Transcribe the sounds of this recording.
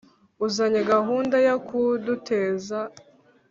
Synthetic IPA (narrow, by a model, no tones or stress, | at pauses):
uzaɲeɡaɦuːndajakʰudutʰeːza